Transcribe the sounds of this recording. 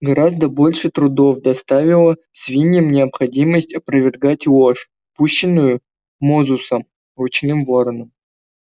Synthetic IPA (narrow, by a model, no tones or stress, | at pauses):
ɡɐɾazd̪əbolʲʂɨt̪ɾʊd̪ofd̪ast̪avʲɪlˠə | svʲinʲːɪmnʲɪɐpxɐdʲiməsʲtʲɐpɾəvʲɪrɡatʲˠoʂ | puɕːɪnːʊjʊ | mozʊsəm | rʊt͡ɕnɨmvoɾənəm